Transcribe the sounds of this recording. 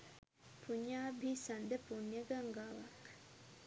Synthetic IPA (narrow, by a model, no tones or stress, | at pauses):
puɲjaːbʱisɐnd̪əpunjəɡaŋɡaːʋak